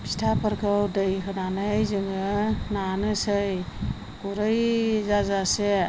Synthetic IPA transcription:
pʰi̥stʰapʰəɾkʰɯwdɯjɦɯnanɯjzɯŋɯnanɯsɯj | kuɾɯjzazase

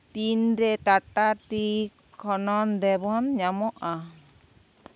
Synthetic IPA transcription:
t̪inɾɛʈaʈaʈi | kʰɔnɔnd̪ɛbʱɔnɲamɔʔa

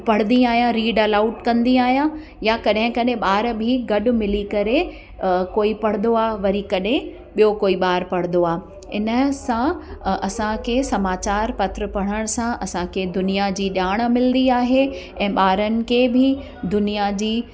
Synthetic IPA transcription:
pɐɽ̤nd̪ĩaːɦijãɾiːɖɐlaːʊʈkɐ̃nd̪iaːɦijã | jakɐɗɦɪ̃kɐɗɦẽɓaːɾbʱiɡɐɗʊ̆mɪlikɐɾe | koːipɐɽ̤nd̪oaːʋɐɾikɐɗɦẽ | ɓijokoːiɓaːɾpɐɽnd̪oaː | ɪ̰nə̆sãɐsãkʰeːsɐmaːt͡ɕaːɾpɐt̪ɾəpɐɽ̃əɽ̃sãʔɐsãkʰed̪ʊnijad͡ʑiːɗaːɽ̃mɪld̪iaːɦe | ɛ̃ːɓaːɾənɪ̆kʰeːbʱɪ | d̪ʊnijad͡ʑiː

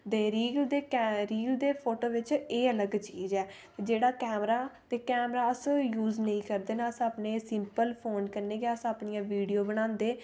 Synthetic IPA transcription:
t̪eːɾiːɡld̪eːɾiːld̪eːpʰoːʈoːʋɪt͡ʃeːələɡt͡ʃiːzɛːt̪ed͡ʒeːɽaːkɛːmɾaːt̪eːkɛːmɾaːəsjuːznəĩːkəɾd̪eːnãːəsaːpneːsɪmpəlpʰoːnkəɾneːɡjaːəsaːpɳɪjãːʋiːɖijoːbəɽ̃ãːnd̪eː

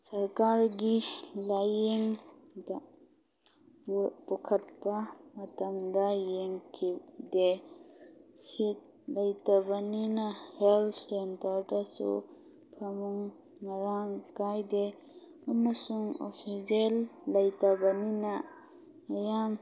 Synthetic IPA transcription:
sɐɾkaɾɡilajeŋda | pɔkʰɐt̚pɐmɐtɐmdɐjeŋkʰide | sit̚ | lɐjtabaninaheltʰsentɐɾdasṵ | pʰamuŋ | nɐɾaŋkajde | ɐmɐsuŋo̰pʰiselːɐjtabɐninaː | jam

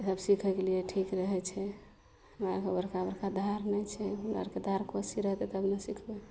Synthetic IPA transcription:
səbsikʰɛɡelijeʈʰikɾəɦɛt͡ʃʰɛ | oãkebəɾkabəɾkad̪ʱaɾnɛjt͡ʃʰɛa̰ɾked̪ʱaɾkosiɾəɦt̪ɛt̪əbnəsikʰbɛ

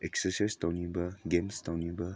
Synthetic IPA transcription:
ɛksəsajst̪anĩbəɡẽmst̪awnĩbə

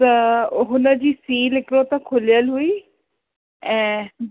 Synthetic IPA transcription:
əoɦʊnãd͡ʒiːsiːlɪkɾot̪ãkʰʊlɪjəlɦuiː | ɛ̃ː

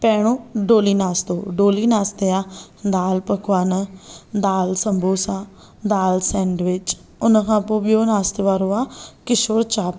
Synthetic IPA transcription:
pɛːɽ̃õːɖoːliːnaːst̪oːɖoːliːnaːst̪eːaː | d̪aːlpəkʋaːnəd̪aːlsəmbʱoːsãː | d̪aːlsɛ̃ːɳɖʋɪt͡ʃ | ʊnãkʰãːpõːbijoːnaːst̪eʋaːɾoːaːkɪʃoɽt͡ʃaːp

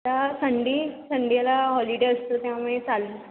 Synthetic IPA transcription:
asəɳɖiːsəɳɖijalaɦɔliɽeəst̪ot̪jaməet͡salun

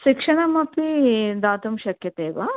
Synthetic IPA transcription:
ʃikʂɐɳɐmɐpid̪aːt̪umʃɐkjɐt̪eːʋa

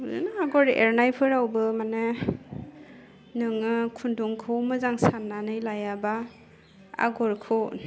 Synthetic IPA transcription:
zɯ̰naaɡɔɾḛɾnajpʰɯɾawbɯmane | nɯŋɯkʰunduŋkʰɯwmɯzaŋsanːanɯjlajaba | a̰ɡɔɾkʰɯwn

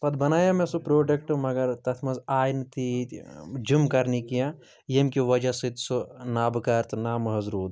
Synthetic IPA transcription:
pɐd̪bɐnaːjamẽsupɾoːɖɐkʈɨmɐɡɐɾt̪ɐt̪ʰmɐzaːjnt̪i | d͡ʒumkɐɾnikijã | jemkiʋɐd͡ʒasɨt̪sunaːbɨkɐɾt̪naːmɐɦɐzɾuːd̪

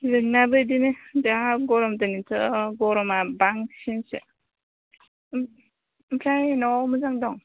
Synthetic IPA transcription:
zɯŋnabɯdinɯdaaɡɔɾɔmdanitʰɯɡɔɾɔmabaŋsinsḛ | pʰɾajnɔmɯzaŋdɔŋ

